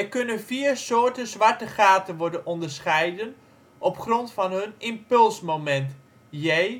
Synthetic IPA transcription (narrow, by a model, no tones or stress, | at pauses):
ɛkɵnənviːɹsoːɹtəzʋaɹtəχaːtənʋɔɹdənɔndəɹsχɛjdən | ʔɔpχrɔntfɑnɦɵnɪmpɵlˠsmomɛnt | jɛj